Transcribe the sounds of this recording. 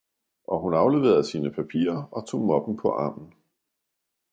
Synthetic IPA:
ʔɒ̽ɦunɑ̈ʊle̝ʋeð̩ˠsiːnəpʰæpʰḭːɐɒ̽t͡sʰo̝̰ːmɒ̽b̥m̩pʰɒ̽ʔɑ̰̈ːm̰n̩

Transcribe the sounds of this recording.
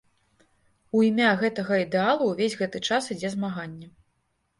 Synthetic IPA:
uimʲaɣɛt̪ɐɣɐid̪ɛalˠuwvʲezʲɣɛt̪ɨt͡ʂasid͡zʲɛzmaɣanʲːɛ

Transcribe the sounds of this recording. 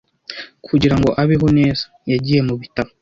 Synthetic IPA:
kʰuɟiɾaŋɡo̞ʔaβiɦoneːz̥ḁ | jaɟije̞muβitamo

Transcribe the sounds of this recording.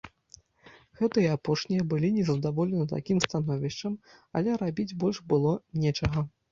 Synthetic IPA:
ɣɛt̪ɨjɛapɔʂnʲijɐbɨlʲinʲɛzɐd̪avɔlʲɛnɨt̪a̰kʲimst̪anɔvʲiʂt͡ʂɐm | ɐ̰lʲɛɾabʲid͡zʲbɔlʲʐbɨlˠɔnʲɛt͡ʂɐɣɐ

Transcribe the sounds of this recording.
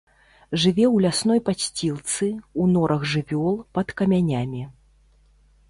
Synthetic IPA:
ʐɨvʲɛwlʲasnɔjpasʲt͡sʲilˠt̪sɨunɔɾʔɐɣʐɨvʲɔlˠpɐt̪kɐmʲanʲamʲi

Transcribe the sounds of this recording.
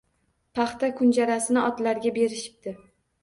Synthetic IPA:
pʰɑχt̪akʰʊnd͡ʒaɾasɪnɪɒt̪laɾɡʲabe̞ɾɪʃɪ̥p̚d̪ɪ

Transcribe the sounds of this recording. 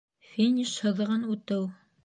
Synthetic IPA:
fʲinʲiʃhɤ̆ð̆ʁɤnʉt̪ɘw

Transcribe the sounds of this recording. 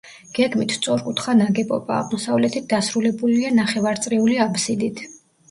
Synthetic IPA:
ɡ̥ɛɡmit̪ʰt̪sʼɔɾkʼut̪ʰχanaɡɛpʼɔba̰ːʁmɔsavlɛt̪ʰit̪̚d̪̥asɾulɛbulianaχɛvaɾt̪sʼɾiuliapsid̪it̪ʰ

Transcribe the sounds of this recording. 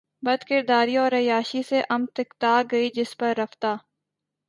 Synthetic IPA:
bɐd̪kɪɾd̪aːɾiɔːɾɐjaːʃiseʔɐmt̪ɪkt̪aːɡɐid͡ʒɪspɐɾːɐft̪aː

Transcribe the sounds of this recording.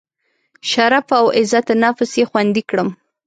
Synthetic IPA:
ʃaɾafawɪzat̪nɑfɪsjexwand̪ikɽəm

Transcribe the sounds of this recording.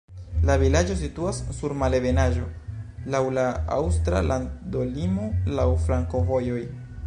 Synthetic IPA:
lavilad͡ʒo̞situasːuɾmale̞ve̞naʒo̞lawlaa̰wstɾa̰lando̞limo̞lawfɾaŋko̞vo̞joj

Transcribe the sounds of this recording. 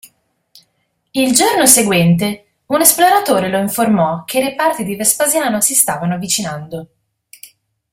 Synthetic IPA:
ild͡ʒornoseɡwɛnt̪e | unesploɾat̪oːɾeloiɱformɔk̟eiɾepart̪id̪ivespazjaːnosist̪aːvanoavit͡ʃinand̪o

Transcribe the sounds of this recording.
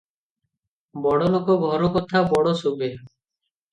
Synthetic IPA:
bɔɽɔlokɔɡʱɔɾɔkɔt̪ʰabɔɽɔsobe

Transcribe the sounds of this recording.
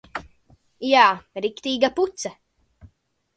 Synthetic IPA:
jaːɾikt̪iːɡaput̪sɛ

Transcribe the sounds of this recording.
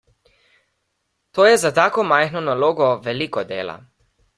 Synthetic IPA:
t̪oːjɛzat̪aːkɔmajxnɔnaloːɡɔʋɛliːkɔd̪ḛːla̰

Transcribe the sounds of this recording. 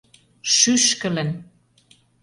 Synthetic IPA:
ʃyʃkə̆lə̆n

